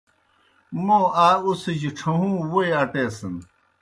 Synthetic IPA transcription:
moaːused͡ʑiʈ͡ʂʰɐɦũːweɐʈeːsɐn

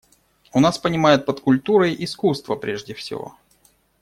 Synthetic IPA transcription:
ʊnaspənʲɪmajɪt̪̚pət̪kʊlʲt̪uɾəjʔɪskust̪vəpɾʲeʐdʲɪfsʲɪ̰vo̞̰

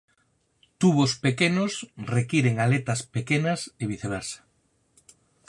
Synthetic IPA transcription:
t̪uβ̞ospekenosrekiɾeŋalet̪ɐspekenɐseβiθeβasḁ

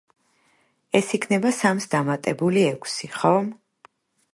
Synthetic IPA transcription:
ɛsikʰnɛbasamsd̪amat̪ʼɛbuliɛkʷʰsiχɔm

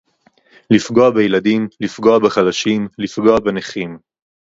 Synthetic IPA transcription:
lifɡo̞abejelad̪imlifɡo̞abeχalaʃimlifɡo̞abeneχim

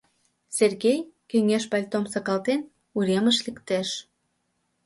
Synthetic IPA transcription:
serɣejkøŋeʃpɑlʲt̪omsɑkɑlt̪en | uɾʲeməʃlikt̪eʃ

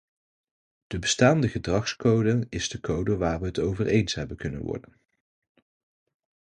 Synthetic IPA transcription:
d̥əbəstaːndəχədrɑχskowdəɪzdəkowdəʋaːɹʋəɦətowvərʔejnsɦɛbənkɵnə̰nʋɔ̰ɹdən

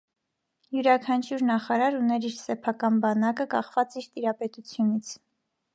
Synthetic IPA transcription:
juɾɑkʰɑnt͡ʃʰuɾnɑχɑɾɑɾunɛɾiɾsɛpʰɑkɑnbɑnɑkəkɑχvɑt͡siɾt̪iɾɑpɛt̪ut͡sʰjunit͡sʰ

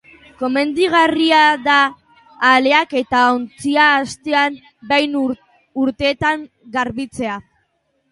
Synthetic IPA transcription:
ko̞me̞nd̪iɣ̞ariaðaː | le̞ake̞t̪aont͡siaːst̪e̞am | bejn | uɾt̪e̞ːt̪aŋ | ɡaɾβit͡se̞a

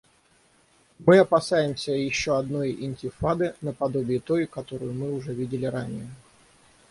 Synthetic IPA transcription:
mɨɐpɐsajɪmsʲəjɪɕːo̞ɐd̪no̞jɪ̰nʲtʲɪfad̪ɨnəpɐd̪o̞bʲɪɪt̪o̞jkɐt̪o̞ɾʊjʊmɨʊʐɛvʲidʲɪlʲɪɾanʲɪjə

